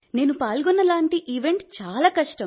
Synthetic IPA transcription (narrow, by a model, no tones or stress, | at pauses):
ne̞ːnupaːlɡɔnːɐlaːɳʈiʔiʋe̞ɳʈt͡ʃaːlaːkɐʂʈɐm